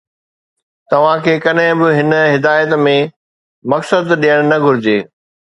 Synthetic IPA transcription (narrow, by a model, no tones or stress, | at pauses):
t̪ɐʋ̤ãkʰeːkɐɗɦɪ̃bɪɦɪnɦɪd̪aːjət̪mẽ | mɐksəd̪ɗijəɽ̃nɐɡʱʊɾɪd͡ʑeː